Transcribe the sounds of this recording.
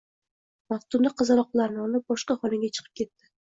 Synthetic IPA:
maft̪ʊnd̪aqʰɨzaɾɒq̚lˠaɾnɪɒlɪp̚bɒʃqɑχɒnɪɡʲat͡ʃʰɨ̥qʰɨ̥p̚kʲʰe̞t̪ːɪ

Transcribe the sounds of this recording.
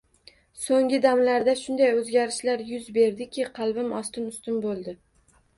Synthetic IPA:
soŋʲɪd̪amlaɾd̪aʃʊnd̪ajɵzɡʲaɾɪʃlaɾjʊzbe̞ɾd̪ɪkʲʰɪqʰɑlˠbɪmɒst̪ɪnʊst̪ɪnbolˠd̪ɪ

